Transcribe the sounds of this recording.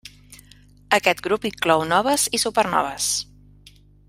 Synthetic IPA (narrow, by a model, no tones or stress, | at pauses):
əkɛt̪ɡɾupiŋklɔwnɔβ̞əzisupərnɔ̰β̞əs